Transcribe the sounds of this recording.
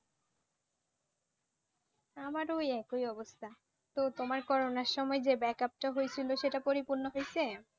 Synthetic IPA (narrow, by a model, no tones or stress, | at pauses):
amaɾojɛkojɔbost̪ʰa | t̪ot̪omaɾkɔɾonaɾʃɔmɔed͡ʑebɛkap̚ʈaɦojet͡ɕʰiloʃeʈapoɾipuɾnoɦojt͡ɕʰe